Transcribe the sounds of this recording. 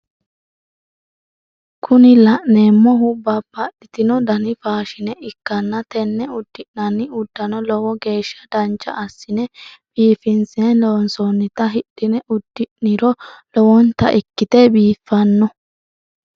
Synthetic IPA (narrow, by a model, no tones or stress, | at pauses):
kʰʊnɪlɐʔne̞ːmːɔɦʊbɐbːɐɗɪt̪ɪnɔd̪ɐnɪfaːʃɪnɛʔɪkːɐnːɐt̪ɛnːɛʊd̪ːɪʔnɐnːɪʊd̪ːɐnɔlɔwɔɡe̞ːʃːɐ̥d̪ɐnt͡ʃːɐ̰ʔːsːɪnɛb̥iːfɪnsenloːnsɔnːɪt̪ɐɦɪɗːɪnɛʊd̪̥ːɪʔnɪɾɔlɔwɔnt̪ɐ̰ʔɪkːɪt̪ɛbiːfːɐnːɔ